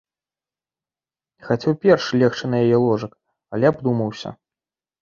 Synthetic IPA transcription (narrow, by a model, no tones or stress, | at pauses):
xat͡sʲɛwpʲɛrʂlʲɛxt͡ʂɨnɐjajɛlˠɔʐɐk | ɐlʲɛabd̪umɐwsʲɐ̰